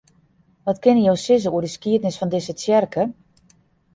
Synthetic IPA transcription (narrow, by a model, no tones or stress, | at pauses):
ʋɔtkɪnəjowsɪz̬əuədəskiətnɪsfɔndɪsət͡sjɛrkʰə